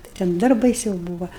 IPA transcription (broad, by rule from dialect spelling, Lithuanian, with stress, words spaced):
tɐɪ ˈtʲɛn ˈdɐr bɐɪˈsʲɛʊ ˈbuːʋɐ